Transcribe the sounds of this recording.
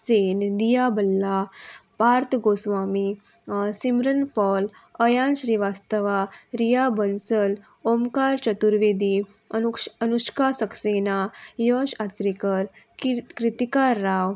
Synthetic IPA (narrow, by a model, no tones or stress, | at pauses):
send̪ijabəlːapaɾt̪ʰɡosʋami | simɾənpɔl | əjãnɕɾiʋast̪əʋaɾijabənsəl | omkaɾt͡ɕət̪uɾʋed̪i | ənuʂkasəksenajəɕat͡sɾikəɾ | kɾit̪ikaɾːaʋ